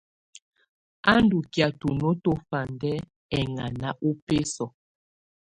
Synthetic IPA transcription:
a˦ndu˨kja˨tu˨no˦to˦fa˨ndɛ˦ | ɛ˨ŋa˨na˦ʔu˦pe˦sɔ˨

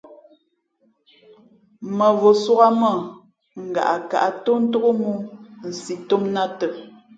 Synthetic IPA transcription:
mə˨vo˨swu˦ɣa˦mə˦˨ | ŋ̩˨ɡa̰˨ʔa˨ka̰˨ʔa˦to˦n̩˦to˦ɣo˦mu˦n̩˨si˨to˦mna˦tə˨

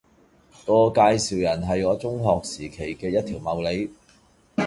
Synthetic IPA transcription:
ŋɔː˧kaː˧jsiː˨˩wjɐ˨˩nɦɐ˨jŋɔː˨˧t͡sʊ˥ŋɦɔː˨k̚siː˨˩kʰe˨˩jkɛː˧jɐ˥t̪̚ʰiː˨˩wmɐ˨˧wle˨˧˥j

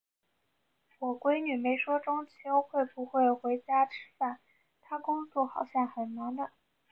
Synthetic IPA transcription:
wɔ˨˩kwe˥ɪny˨˩me˧˥ɪʂwɔ˥ʈ͡ʂʊ˥ŋt͡ɕʰjo˥ʊxwe˥˩ɪpu˧˥xwe˥˩ɪxwe˧˥ɪt͡ɕja˥ʈ͡ʂʰɻ̩˥fa˥˩n | t̪ʰa˥kʊ˥ŋt͡swɔ˥˩xɑ˨˩ʊɕjɛ˥˩nxə˨˩nna˧˥nd̪ə˧

